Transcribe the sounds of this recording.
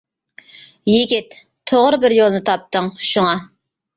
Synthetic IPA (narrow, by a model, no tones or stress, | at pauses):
jɪɡʲɪt̪ | t̪ʰːoʁɾbɪɾjolˠnɨt̪ʰɑp̚t̪əŋʃuŋɑ